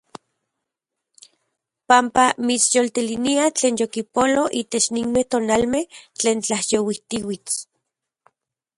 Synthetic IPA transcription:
pampamit͡sjolt̪iliniat͡ɬeːnjokipoloʔiːt̪et͡ʃniŋmeht̪oːnalmeht͡ɬeːnt͡ɬahjowiht̪iwit͡s

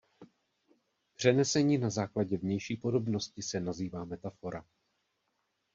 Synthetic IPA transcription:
pr̝̥ɛnɛsɛɲiːnazaːklaɟɛvɲɛjʃiːpo̞do̞bno̞scɪsɛnaziːvaːmɛt̪afo̞ɾa̰

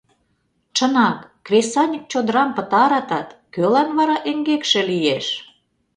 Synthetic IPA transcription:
t͡ʃənɑkːrʲesɑnʲik̚t͡ɕod̪əɾɑmpət̪ɑɾɑt̪ɑt̪kølɑnβɑɾɑʔeŋɡekʃĕlijeʃ

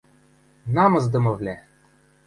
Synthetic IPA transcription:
nɑmɤ̆zd̪ɤ̆mɤ̆vlʲæ

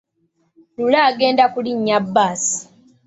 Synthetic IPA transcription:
lulaːɡe̞ːndakuliɲːabːaːsi̥

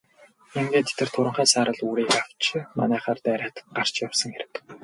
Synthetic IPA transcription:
emɡeːt̪et̪ɘ̆r̥t̪ʰʊɾə̆ɴχæːsaːɾə̆ɮuːɾiːxaw̥t͡ɕma̰næːχaːrt̪æːɾʲaːt̪ə̥̆ɢar̥t͡ɕjawsə̆ŋxeɾʲɘ̆wt̪ə̥̆k

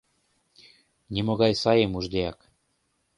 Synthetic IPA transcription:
nʲimoɣɑjsɑjemuʒd̪ʲeɑk

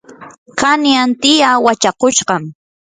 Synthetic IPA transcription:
kanjant̪ɪjawat͡ʃakʊʃɢɑm

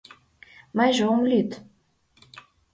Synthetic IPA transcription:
mɑjʒeomlʲyt̪

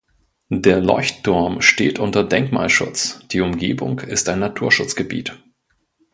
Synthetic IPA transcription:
deːɐlɔ̰ʏçtʰːʊɐmʃteːtʔʊntɐdɛŋkma̰ːlʃʊ̰t͡sd̥iːʊmɡeːbʊ̰ŋkɪstaɪnːatʰuːɐʃʊt͡sɡ̥əbḭːt

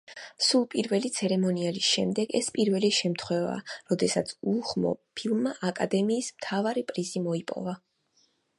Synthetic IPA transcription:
sulˠpʼiɾvɛlit̪sʰɛɾɛmɔniɛlisʃɛmd̪ɛɡɛ̰spʼiɾvɛliʃɛmt̪ʰχwɛva̰ːɾɔd̪ɛsat̪sʰuχmɔ̰pʰilˠmːaʔakʼad̪ɛmiːsmt̪ʰavaɾipʼɾizimɔipʼɔ̰va

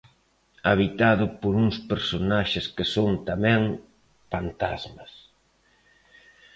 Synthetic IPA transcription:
aβit̪aðʊpoɾuŋspeɾsonaʃɪskɪsont̪amɛ̃ŋ | fant̪azmɐs

